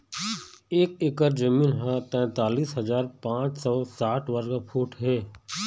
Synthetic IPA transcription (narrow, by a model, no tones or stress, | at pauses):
eːkekəɾd͡ʒəmĩːnɦãt̪ɛ̃ːt̪aːliːsɦɐzaːɾpãːt͡ʃsɔsaːʈʰʋəɾɡapʰuːʈʰɦɛː